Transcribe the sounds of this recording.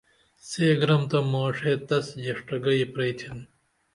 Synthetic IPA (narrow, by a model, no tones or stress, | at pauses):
seːɡɾɐmt̪ɐmoːʂeːt̪ɐsjɐʂʈɐɡɐipɾɐjt̪ʰin